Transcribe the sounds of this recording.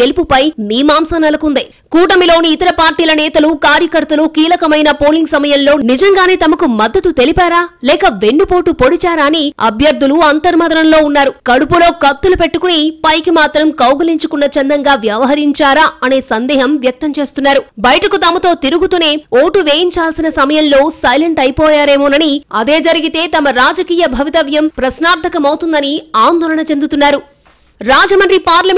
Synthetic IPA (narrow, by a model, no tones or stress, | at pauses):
elpupɐjmiːmaːmsɐnɐlɐkund̪i | kuːʈɐmilo̞ːniːt̪ɐɾɐpaːɾʈiːlɐnɛːt̪ɐlukaːɾjɐkɐɾt̪ɐlukiːlɐkɐmɐjnɐpoːliŋɡsɐmɐjɐmlo̞ːnid͡ʒɐŋɡaːneːt̪ɐmɐkumɐd̪ːɐt̪ut̪elipaːɾaːlɛːkɐʋe̞ɳːupo̞ːʈupoɽit͡ʃaːɾaːniɐ̰bʱjɐɾd̪ʱːuluɐnt̪ɐɾmɐd̪ɐɾɐnlo̞ːunːaːɾukɐɽupulo̞ːkɐt̪ːulupe̞ʈːukunipɐjkimaːt̪ɾɐmkɐwɡɐliɲt͡ʃukunːɐt͡ʃɛnd̪ɐŋɡaːʋjɐʋɐɦɐɾiɲt͡ʃaːɾaːɐne̞ːsɐnd̪ɛːɦɐmʋjɐk̚t̪ɐmt͡ʃe̞ːst̪unːaːɾubɐjʈɐkut̪ɐmɐt̪o̞ːt̪iɾuɡut̪une̞ːoːʈuʋe̞ːjiɲt͡ʃaːlsinɐsɐmɐjɐmlo̞ːsɐjleɳʈɐjpɔːjaːɾeːmoːnɐniɐd̪e̞ːd͡ʒɐɾiɡit̪e̞ːt̪ɐmɐɾaːd͡ʒɐkiːjɐbʱɐʋit̪ɐʋjɐmpɾɐsnaːɾt̪ʰɐkɐmɐwut̪und̪ɐniaːnd̪ɔːlɐɳɐt͡ʃe̞nd̪ut̪unːaːɾu | ɾaːd͡ʒɐmɐnɾipaːɾlɐm